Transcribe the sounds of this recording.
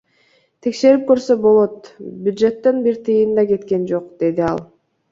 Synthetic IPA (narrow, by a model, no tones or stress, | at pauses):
t̪ʰe̞kʃe̞ɾip̚kø̞ɾsø̞bo̞lˠo̞t̪bʲjud̪ʒe̞t̪ːenbiɾt̪ʰɯjɯnd̪ɑke̞t̪ke̞nd͡ʒo̞qd̪̥e̞d̪iɑ̰lˠ